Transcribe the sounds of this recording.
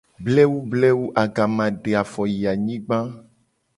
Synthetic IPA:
blɛ˦wu˦blɛ˦wu˦ʔa˨ɡa˨mã˨ɖe˨a˨fɔ˨ji˨a˨ɲĩ˦ɡ͡bã˦

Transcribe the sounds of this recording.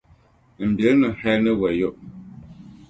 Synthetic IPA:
m̩˨be˨˦nɨ˨hɛ˦nɨ˦wɛ˨jo˦˨ʔ

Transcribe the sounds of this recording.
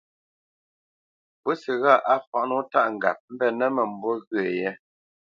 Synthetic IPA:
bu˦si˨ɣa˦˨ʔa˦fa˨nɔ˦ta˦ʔŋ̩˨ɡa̰˨p̚m̩˦bɛ˦nɛ˦mɛ˨m̩˨˦bɔ˦ɣɰe˨jɛ˦

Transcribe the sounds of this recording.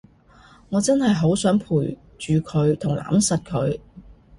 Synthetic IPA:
ŋɔː˨˧t͡sɐ˥nhɐ˨jɦo˨˥wsœː˨˥ŋpʰuː˨˩j | t͡ʃyː˨kʰɵ˨˧ɥt̪ʰʊ˨˩ŋlʔa̰ː˨˥msɐ˨t̚kʰɵ˨˧ɥ

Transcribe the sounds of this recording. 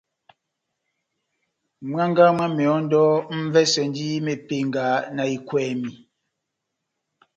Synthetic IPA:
ma˦ŋɡa˦mwa˦mɛ˨ɔ˨˦n̩˦dɔː˦m̩˦vɛ˦sɛ˨n˦di˦me˨pe˨ŋɡa˨˦na˨i˨kwɛː˨mi˨

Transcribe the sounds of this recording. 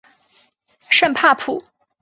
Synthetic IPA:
ʂə˥˩npʰa˥˧pʰu˨˩˦

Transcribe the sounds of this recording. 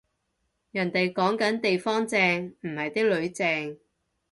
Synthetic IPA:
jɐ˨˩nt̪e˨jkɔː˨˥ŋkɐ˨˥nt̪e˨jfɔː˥ŋt͡sɛː˧ŋm̩˨˩hɐ˨jt̪i˥k̚lɵ˨˧ɥt͡sɛː˧ŋ

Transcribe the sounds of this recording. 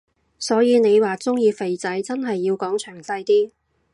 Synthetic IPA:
sɔː˨˥jiː˨˧ne˨˧jwaː˨t͡sʊ˥ŋjiː˧fe˨˧jt͡sɐ˨˥jt͡sɐ˥nɦɐ˨jːiː˧wkɔː˨˥ŋt͡ʃʰœː˨˩ŋsɐ˧jt̪iː˥

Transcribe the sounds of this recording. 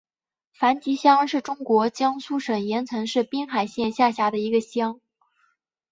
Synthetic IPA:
fa˧˥nt͡ɕi˧˥ɕjɑ˥ŋʂɻ̩˥˩ʈ͡ʂʊ˥ŋkwɔ˧˥t͡ɕjɑ˥ŋsu˥ʂə˨˩ŋjɛ˧˥nt͡sʰɤ˧˥ŋʂɻ̩˥˩pi˥ŋxa˨˩ɪɕjɛ˥˧nɕja˥˩ɕja˧˥d̪ə˧i˧˥ɡə˧ɕjɑ˥ŋ

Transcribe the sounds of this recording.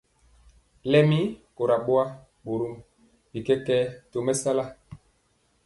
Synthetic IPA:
lɛ˦mi˦ko˨ɾa˨ɓo˦a˦ | ɓo˨ɾu˦m | bi˨kɛ˦kɛ˦to˨mɛ˦sa˦la˦

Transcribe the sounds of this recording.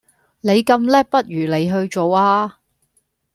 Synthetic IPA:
ne˨˧jkɐ˧mlɛː˥pɐ˥t̚jyː˨˩le˨˧jɦɵ˧ɥt͡ʃo˨waː˧

